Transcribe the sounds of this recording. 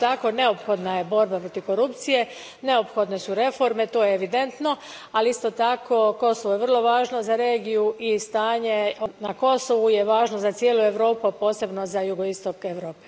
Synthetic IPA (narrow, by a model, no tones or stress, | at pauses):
t̪ako̞ne̞o̞pxo̞d̪naje̞bo̞ɾbapɾo̞t̪iko̞ɾupt̪sije̞ | ne̞opxo̞d̪ne̞suɾe̞fo̞ɾme̞t̪ojeːʋid̪e̞nt̪no̞ | aliist̪o̞t̪akʰo̞ko̞soʋojeʋr̩lˠo̞ʋaːʒnozaɾe̞ːɡijuʔist̪aːɲe̞onako̞soʋuje̞ʋaːʒnozat̪sjeːlue̞ʋɾo̞ːpupo̞ːse̞bno̞zajuɡo̞ist̪o̞keʋɾo̞ːpe